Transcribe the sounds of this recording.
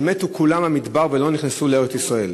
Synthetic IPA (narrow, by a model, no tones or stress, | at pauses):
metukulamamid̪baʁvelo̞niχnesuleʁet̪isʁae̞l